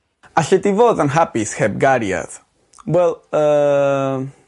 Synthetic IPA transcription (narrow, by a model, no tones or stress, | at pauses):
aɬɛdivoːðanɦabɪshɛb̚ɡaɾja̰ð | wɛlˠəː